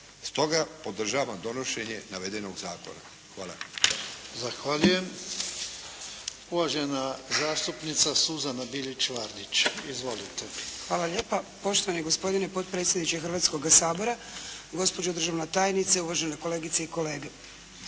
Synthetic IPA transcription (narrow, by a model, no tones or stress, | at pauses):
st̪o̞ɡapo̞d̪r̩ʒaːʋamd̪o̞no̞ʃe̞ɲenaʋed̪eno̞ɡzaːko̞̰na̰ | xʋaːla̰ | zaxʋaʎujem | uʋaʒenazaːst̪upnit̪sasuzanabilit͡ʃʋaɾd̪it͡ʃizʋo̞lit̪exʋaːlaʎe̞ːpapo̞ʃt̪oʋanieɡo̞spo̞d̪inepo̞t̪̚pɾet̪sjed̪nit͡ɕexrʋat̪sko̞ɡasaːbo̞ɾaɡo̞spod͡ʑod̪ɾr̩ʒaʋnet̪aːjnit̪seuʋaʒeneko̞le̞ːɡit̪seiko̞le̞ːɡe